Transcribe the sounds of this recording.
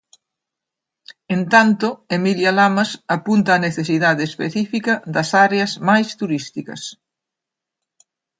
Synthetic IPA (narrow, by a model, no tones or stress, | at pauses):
ent̪ant̪ʊemiljalamasapunt̪ɐːneθesiðaðeːspeθifikɐðɐsaɾeɐzmajst̪uɾist̪ikɐ̰s